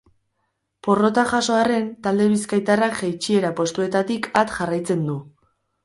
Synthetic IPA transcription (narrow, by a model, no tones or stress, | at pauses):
po̞ro̞t̪aʝaso̞are̞nt̪ald̪e̞βiskajt̪arakʝajt͡ʃie̞ɾapo̞st̪ue̞t̪at̪ikat̪ʝarajt͡se̞nd̪u